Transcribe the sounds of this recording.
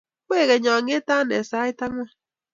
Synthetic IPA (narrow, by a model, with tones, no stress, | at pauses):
kʷe˦˨ɣe˨ɲɔ˨ŋe˦ta˦ne˨sa˨˦i˦ta˦ŋʷ˦a˦